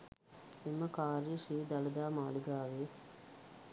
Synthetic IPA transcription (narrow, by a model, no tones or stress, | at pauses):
emɐkaːɾiʃiːd̪ɐlɐd̪aːmaːliɡaːʋe